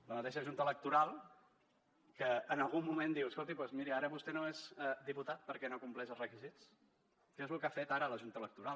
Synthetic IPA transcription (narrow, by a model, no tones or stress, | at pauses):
ləmət̪eʃəʒunt̪ələk̚t̪uɾalˠ | kəːnəlˠɣumːumẽnd̪iwəskolˠt̪ipwezmiɾiaɾəβust̪enoezəd̪iput̪at̪̚pəɾkɛnokumplɛzəlˠzrəkizit͡s | kɛzlukafet̪aɾəːləʒunt̪ələk̚t̪uɾal